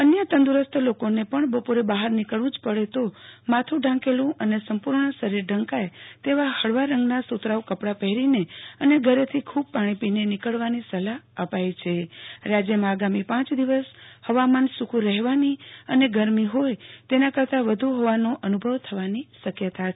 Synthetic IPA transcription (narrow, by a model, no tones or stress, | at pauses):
ənjət̪ə̃nd̪uɾəst̪ʰlokonepəɳbəpoɾebaɦəɾnikəɭũd͡ʒpəɽet̪omat̪ʰũɖʱãŋkelũʔənesəmpuɾɳəsəɾiɾɖʱə̃ŋkajt̪eʋahəɭʋaɾə̃ŋɡnasut̪ɾaʋkəpɽapɛɦɾineəneɡʱəɾet̪ʰikʰub̚paɽ̃ĩpinenɪkəɭʋanisəlaəpajt͡ʃʰeɾad͡ʒjəmãːɡamipãt͡ʃd̪iʋəshəʋamansukʰũɾɛɦʋaniəneɡəɾmiɦojt̪enakəɾt̪aʋəd̪ʱuɦoʋanoʔənubʱəʋt̪ʰəʋaniʃəkjət̪a